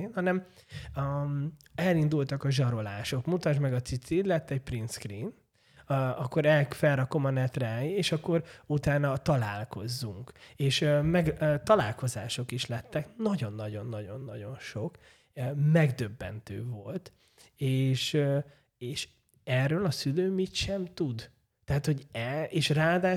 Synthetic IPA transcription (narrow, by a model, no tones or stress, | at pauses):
eːnhɒnɛm | ɛlind̪ult̪ɒkɒʒɒɾo̞laːʃo̞kmut̪ɒʒmɛɡɒt̪sit̪sid̪lɛt̪ːɛc̚prinskriːn | ɒkːo̞ɾɛlfɛrrɒko̞mɒnɛt̪rɛaːjieːʃɒkːo̞ɾut̪aːnɒt̪ɒlaːlko̞zːuŋkeːʃmɛɡt̪ɒlaːlko̞za̰ːʃo̞kiʃlɛt̪ːɛknɒɟo̞nːɒɟo̞nːɒɟo̞nːɒɟo̞nʃo̞k | mɛɡd̪ø̞bːɛ̰nt̪ø̰ːvo̞lt̪ | eːʃ | eːʃ | ɛrːøːlɒsyløːmit̪ʃɛmt̪ud̪ | t̪ɛɦat̪hoɟɛeːʃraːd̪aː